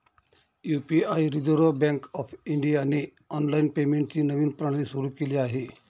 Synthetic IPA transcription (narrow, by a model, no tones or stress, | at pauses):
juːpiajɾid͡zoɾobɛ̃ŋkɔfʰiɳɖijani | ɔnlainpemeɳʈ̚t͡ɕiːnəʋiːnpɾaɽ̃lisuɾuːkeliaɦe